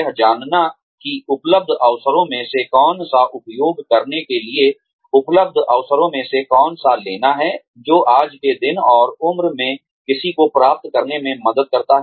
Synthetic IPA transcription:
ɦd͡ʒaːnna | kiʊpləb̚d̪ʱəːʋsəɾõmẽsekɔːnsaʔʊpjoːɡkɐɾnekelie | ʊpləb̚d̪ʱɔʋsəɾõmẽsekɔːnsaleːnaɦɛː | d͡ʒoːʔaːd͡ʒked̪ɪnɔːɾʊmɾmẽ | kɪsikopɾaːp̚t̪kəɾnemẽmɐd̪əd̪̚kɐɾt̪aɦɛ

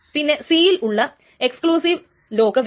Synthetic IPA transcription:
pinːe̞siːjiluɭːɐ | ekskɭuːsiʋ | lo̞ːkɐʋ

